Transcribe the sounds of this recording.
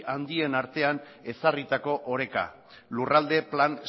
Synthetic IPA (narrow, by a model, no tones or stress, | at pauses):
ʔand̪ie̞naɾt̪e̞an | e̞sarit̪ako̞ʔoɾe̞ka̰ | lurald̪e̞plan